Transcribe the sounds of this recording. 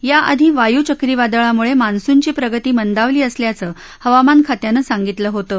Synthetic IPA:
jaʔəd̪ʱiːʋajut͡ɕəkɾiːʋad̪əɭamuɭemansuɲt͡ɕiːpɾəɡət̪iːmənd̪aʋliːəsljat͡səː | həʋamankʰat̪janəːsaŋɡit̪ləːɦot̪əː

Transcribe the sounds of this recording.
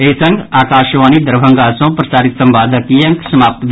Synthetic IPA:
eːsɐŋɡaːkaːʃʋaːnid̪ɐɾbʱɐŋɡaːsõːpɾɐsaːɾit̪sɐmbaːd̪ɐkijɐŋksɐmaːp̚t̪b

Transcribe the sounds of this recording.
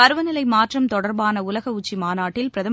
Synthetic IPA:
ɐɾɯʋɐnɪlɐɪmaːʈrɐmt̪ɔɽɐɾbaːnɐʊlɐɣɐʊt͡ʃːimaːnaːʈːɪlpɪɾɐðɐ

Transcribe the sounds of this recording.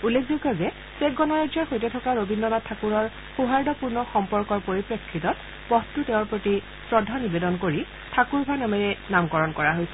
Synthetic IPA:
ulːek̚ʰzoɡʱɔzɛ | sekɡɔnaɹadzɔɹxojtɛtʰɔkaɹobindɔnatʰakuɹɔɹ | xuɦaɹdɔpuɹnɔxɔmpɔɹkɔɹpoɹipɹekʰːitɔt̚ | pɔtːuteʊ̃ɹpɹoti | sɹɔdʱɔnibedɔnkoɹi | tʰakuɹbʱanamɛɹɛnamkɔɹɔnkɔɹaɦojsɛ̥

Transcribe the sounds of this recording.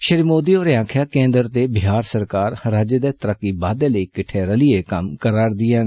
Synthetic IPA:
ʃəɾiːmoːd̪iːoːɾeaːkʰjaːkẽːnd̪əɾt̪eːbɪɦaːɾsəɾkaːɾɾaːd͡ʒəd̪eːt̪əɾəkːiːbaːd̪eːləiːkɪʈʰeːɾəliːeːkəmkəɾaːɾd̪ɪjãː

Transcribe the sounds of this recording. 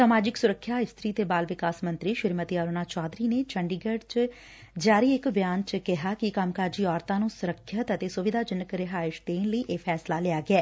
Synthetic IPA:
saːmaːd͡ʒɪksʊɾəkʰːjaːɪst̪ɾiːt̪eːbaːlʋɪkaːsmə̃nt̪ɾiːʃɪɾmət̪iaːɾoːnaːt͡ʃɔːd̪ɾiːneːt͡ʃəɳɖiːɡəɖt͡ʃ | d͡ʒaːɾiːɪkbjaːnt͡ʃkɪɦaːkɪkaːmkaːɾd͡ʒiːɔːɾt̪ãːnũːsʊɾəkʰːət̪ət̪eːsʊʋɪd̪ʱaːd͡ʒɪnəkɾɪɦaːɪʃt̪eːnləiːʔeːpʰɛːslaːlɪaːɡɪɛː

